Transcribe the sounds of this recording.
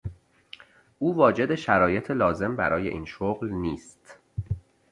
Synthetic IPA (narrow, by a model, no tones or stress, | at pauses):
ʔuːvɒːd͡ʒe̞d̪e̞ʃæɾɒːje̞t̪ʰelɒːze̞mbæ̰ɾɒːje̞ʔḭːnʃoɣlniːst̪